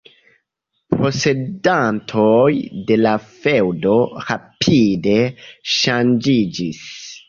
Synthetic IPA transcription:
pɾo̞se̞dantʰojde̞lafe̞wdo̞ɾapʰide̞ʃand͡ʒid͡ʒis

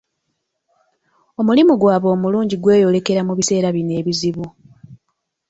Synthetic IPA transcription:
o̞mulimuɡwaːβo̞ːmuluːɲɟiɡwe̞ːjo̞le̞ke̞ɾamuβise̞ːɾaβine̞ːβiziβu

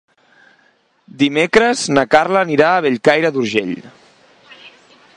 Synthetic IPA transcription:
d̪imekɾəznəkarləniɾaːβeʎkajɾəðuɾʒḛʎ

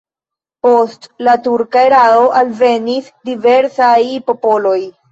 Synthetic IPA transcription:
po̞stlatuɾkaeɾao̞ʔalve̞nisdive̞ɾsajpo̞po̞lo̞j

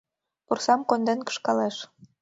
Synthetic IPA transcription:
pursɑmkond̪enkə̥ʃkɑleʃ

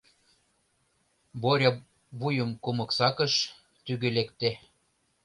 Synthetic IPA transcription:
boɾʲɑ | βujə̆mkumɤ̆ksɑkə̆ʃ | t̪yɣølekt̪e

